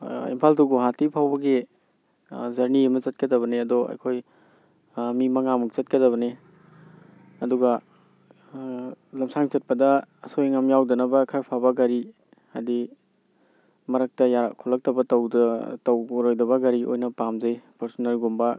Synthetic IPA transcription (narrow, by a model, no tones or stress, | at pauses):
ḭmpʰaltuɡoɦatipʰawbɐɡi | zɐɾniɐmɐzɐt̚kɐdɐβɐneɐdɔɐ̰jkʰoj | mimɐŋamuk̚t͡ʃɐt̚kɐdɐβɐne | ɐduɡɐ | lɐmsaŋt͡ʃɐt̚pɐdɐːsojŋɐmjawdɐnɐbɐkʰɐɾpʰabɐɡɐɾi | ha̰di | mɐɾɐk̚tɐjakʰɔlɐk̚tɐbɐtɐwtɐwoɾojdɐbɐɡɐɾiʔo̰jnɐpamzejpɐɾsɔnalɡumbɐ